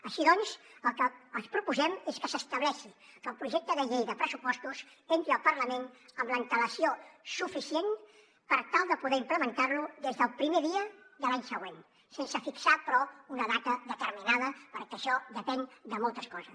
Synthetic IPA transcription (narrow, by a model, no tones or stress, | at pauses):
əʃiðɔnsəlˠkəːnspɾupuzɛmeskəsəst̪əβlɛʃikəlˠpɾuʒɛk̚t̪əðəʎejðəpɾəsupɔst̪usent̪ɾiəlˠpəɾləmenəmləint̪ələsiosufisien | pəɾt̪alˠd̪əpuðɛimpləmənt̪aɾluðezðəlˠpɾimeðiəðəlaɲsəɣwen | sensəfiksapɾɔunəðat̪əðət̪əɾminaðəpəɾkəʃɔðəpɛnd̪əmɔlˠt̪əskɔzə